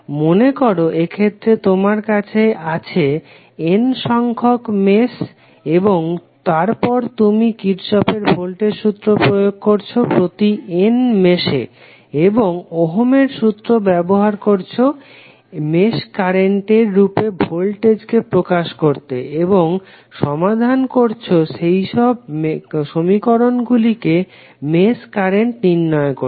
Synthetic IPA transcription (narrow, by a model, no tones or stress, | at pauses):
monekoɾoʔekʰet̪ːɾet̪omaɾkat͡ɕʰeat͡ɕʰe | enʃɔŋkʰokmeʃ | eboŋt̪aɾpɔɾt̪umikiʈʃɔpeɾbʱolʈeɾʃut̪ːɾopɾojoɡ̚koɾt͡ɕʰopɾot̪ienmeʃḛ | eboŋoɦomeɾʃut̪ːɾobɛboɦaɾkoɾt͡ɕʰo | meʃkaɾeɳʈeɾːupebʱolʈed͡ʑkepɾokaʃkoɾt̪ḛeboŋ | ʃɔmad̪ʱankoɾt͡ɕʰoʃejʃɔb̚ʃomikoɾonɡulike | meskaɾeɳʈniɾːɔekoɾ